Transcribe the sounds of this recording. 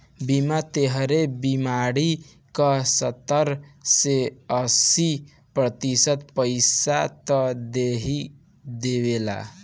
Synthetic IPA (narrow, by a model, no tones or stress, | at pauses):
bimat̪eɦɾebimaɾi | kəsət̪əɾseəsi | pɾət̪isət̪pəɪsat̪əd̪eɦi | d̪ewela̰